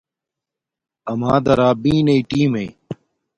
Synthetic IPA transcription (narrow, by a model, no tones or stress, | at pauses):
ɐmaːd̪ɐɾaːbĩːnɐiʈiːmei